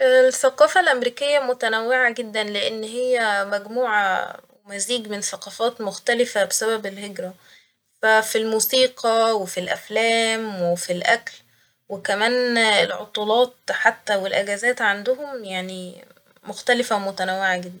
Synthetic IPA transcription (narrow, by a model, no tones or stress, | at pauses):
ʔelθæqɑːfɑlʔæmɾiːkejːæmot̪ænæwːeʕaɡed̪ːænleʔenːɦejːæmæɡmuːʕa̰wemæziːɡmenθæqɑːfɑːt̪moxt̪ælɪfæbesæbæbelheɡɾæ | fæfilmuːsiːqɑwefilʔæflæːmwefilʔækl | wekæmæːnelʕo̰t̪ˤuːlɑːt̪̚ħat̪ːæwelʔæɡæzæːt̪ʕand̪ʊɦomjaʕni | moxt̪ælɪfæmot̪ænæwːeʕaɡed̪ːæn